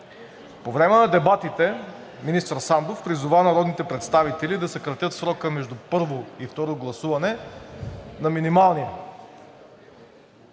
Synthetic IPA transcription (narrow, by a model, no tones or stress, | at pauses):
povɾɛmɛnɐd̪ɛbat̪it̪ɛ | minist̪əɾsand̪ofpɾizuvanɐɾɔd̪nit̪ɛpɾɛt̪st̪avit̪ɛlid̪ɐsɐkɾɐt̪jət̪sɾɔkəmɛʒd̪upɤɾvoift̪ɔɾoɡlˠɐsuvɐnɛ | nɐminimalˠni